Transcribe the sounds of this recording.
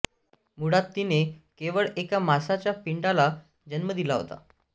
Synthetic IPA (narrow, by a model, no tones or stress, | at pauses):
muɽat̪ːinekeʋəɭekamasat͡ɕjapiɳɖala | d͡ʑənməd̪ilaɦo̰t̪a̰